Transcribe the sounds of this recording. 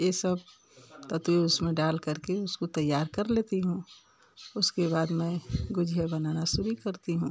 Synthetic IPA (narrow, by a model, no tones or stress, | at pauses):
jesəb̚ | t̪ɐt̪weʊsmẽɖaːlkɐɾkeʊskot̪ɐjːaːɾkɐɾleːt̪iɦũ | ʊskebaːd̪mɛ̃ɡʊd͡ʒʱijabɐnaːnasʊɾikɐɾt̪iɦũː